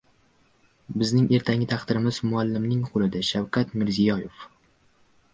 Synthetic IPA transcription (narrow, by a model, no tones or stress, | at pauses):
bɪznɪŋʔe̞ɾt̪ʰaŋʲɪt̪ʰɑχt̪ɪɾɪmɪz̥mʊalːɪmnɪŋqʰʊlɪd̪aʃawkʰʲat̪mɪɾzijɒjef